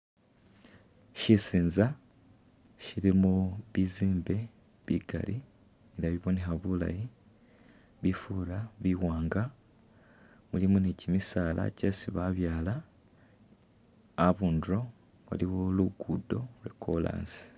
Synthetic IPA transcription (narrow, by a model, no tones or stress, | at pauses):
ʃisiːnza | ʃiɾimuβiziːmbe̞ | βiɡa̰li | eɾaβiβone̞xaβula̰ji | βifuɾaβiwaːŋɡa | mulimunicimisaːla̰ce̞siβaβjaːla | βuːndɾo̞ | βa̰liβuluɡudo̞ɾekʰola̰ːnsi̥